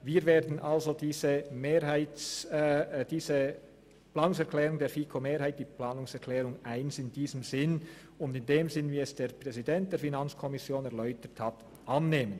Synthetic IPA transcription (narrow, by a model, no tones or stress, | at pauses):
viːɾveːdn̩ʔalzodiːzəmeːhaɪ | d̥iːzə | plaːnʊŋsɛɐklɛːʁʊŋdeːɾfiːkʰomeːɾhaɪt̚d̥iːplaːnʊŋsɛʁkʰlɛːɾʊŋʔaɪnsɪndiːzəmzɪn | ʊndɪndeːmzɪnviːɛsd̥eːɾpʁ̥ɛzidɛnt̚d̥eːɾfinant͡skʰɔmɪsjoːnɛɐʁlœʏtəthat | ʔɑnːeːmən